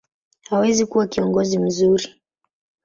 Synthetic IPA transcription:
hawɛzikuwakiɔŋɡɔzim̩zuɾi

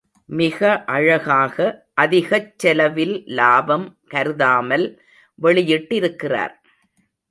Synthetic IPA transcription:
mɪɣɐʔɐɻɐɣaːɣɐʔɐðɪɣɐt͡ʃːɛlɐʋɪllaːbɐmkɐɾɯðaːmɐl | ʋɛɭɪjɪʈːɪɾɯkːɪra̰ːɾ

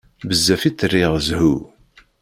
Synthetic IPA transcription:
bəzːæfit͡sːərːiʁzhu

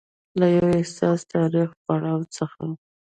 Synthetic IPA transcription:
lajawɪhsɑst̪ɑɾixpaɽɑwt͡səxa̰

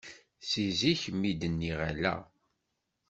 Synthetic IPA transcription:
siziçmːid̪ənːiʁæ̰læ̰

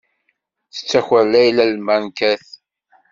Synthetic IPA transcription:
θə̥t͡sːæçəlːæjlælmænkæθ

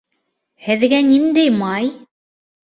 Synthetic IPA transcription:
hɘ̆ðɡænind̪æjmɑj

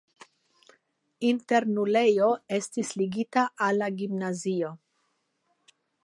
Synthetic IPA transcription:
inte̞ɾnule̞jo̞e̞stisliɡitaʔalːaɡimnazio̞

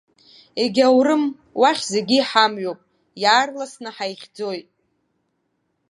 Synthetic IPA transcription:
eɡʲawrɨm | waχʲzeɡʲiːħamɥopʼ | jaːrlasnɨħajχʲd͡zo̞jtʼ

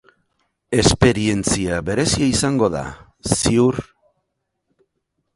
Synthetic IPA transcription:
e̞spe̞ɾie̞nt͡siaβe̞ɾe̞siaisaŋɡo̞ða̰ | siuɾ

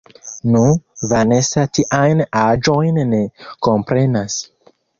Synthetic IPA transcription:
nuvane̞satiʔajnad͡ʒo̞jnːekompɾe̞nas

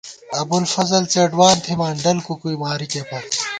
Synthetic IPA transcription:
ɐbulfɐzɐlt͡seːɖwaːnt̪ʰimaːɳɖɐlkukuimaːɾikepʰɐɾ

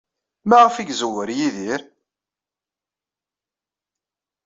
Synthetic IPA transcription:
mæʁəfiɡzəwəɾjiðiɾ

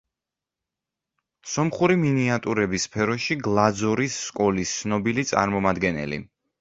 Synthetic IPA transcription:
sɔmχuɾiminiat̪ʼuɾɛbispʰɛɾɔʃiɡlˠad̪zɔɾisːkʼɔlist̪sʰnɔbilit̪sʼa̰ɾmɔmad̪ɡɛnɛ̰lḭ

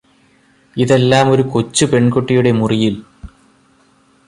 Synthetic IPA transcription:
iðe̞lːaːmo̞ɾukot͡ɕːɨpe̞ɳkoʈːijuɽe̞murijil

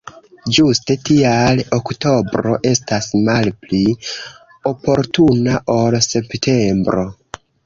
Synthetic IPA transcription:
d͡ʒuste̞tialokto̞bɾo̞̰ʔe̞stasmalpli | o̞po̞ɾtunaʔo̞lse̞ptʰe̞mbɾo̞

